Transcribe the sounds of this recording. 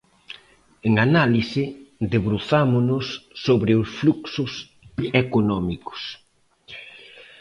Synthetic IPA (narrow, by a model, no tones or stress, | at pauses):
eŋanalisɪðeβɾuθamʊnʊsːoβɾɪʊsfluksʊs | ekonɔmikʊ̥s